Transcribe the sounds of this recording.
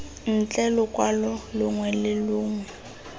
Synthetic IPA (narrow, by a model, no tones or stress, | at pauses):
n̩t͡ɬʼɛlʊkʼwalɔlʊŋwɛlɪlʊːŋwɛ